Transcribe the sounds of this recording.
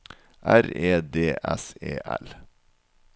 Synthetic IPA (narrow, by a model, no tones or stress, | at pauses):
ʔæɾeːd̪eːʔɛseːʔɛ̰l